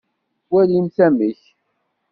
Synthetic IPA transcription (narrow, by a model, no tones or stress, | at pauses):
wælimθæməç